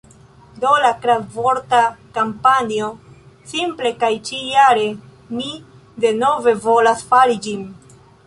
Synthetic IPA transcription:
do̞lakɾavoɾtakampanio̞ | simple̞kajt͡ʃijaɾe̞ | mi | de̞no̞ve̞vo̞lasfaɾid͡ʒin

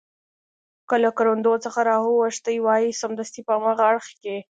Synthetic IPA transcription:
kəlakaɾond̪ot͡səxaɾɑɦuwaʂt̪əjwɑjisamd̪əst̪ipəamɑɣaaɽxke

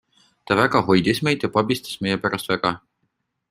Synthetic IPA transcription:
t̪ɑvæɡɑɦo̞jd̪isme̞jd̪̥jɑpɑbist̪ɑ̥smejepæɾɑst̪væɡ̥ɑ

